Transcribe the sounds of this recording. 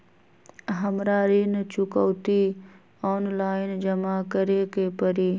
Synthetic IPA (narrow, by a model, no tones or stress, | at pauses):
ɦəmɾaːɾiːnt͡ʃʊkoːt̪iː | ɔːnlaːɪnd͡ʒɐmaːkəɾeːkeːpəɾiː